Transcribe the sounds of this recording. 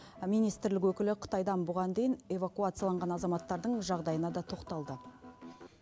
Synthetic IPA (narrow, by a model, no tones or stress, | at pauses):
mijnijst̪ɾlɪkwɵkʲɪlɪqʰə̥t̪ɑjd̪ɑnbʊʁɑnd̪e̞jɪne̞vakuat̪sɨjalˠɑɴʁɑnɑzɑmɑt̪ːɑɾd̪əɴʒɑʁd̪ɑjənɑd̪ɑt̪ʰo̞qt̪ɑlˠd̪ə